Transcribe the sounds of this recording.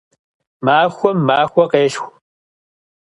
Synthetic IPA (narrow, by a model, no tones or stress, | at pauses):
maːxʷɔmːaːxʷɔqeːɬxʷ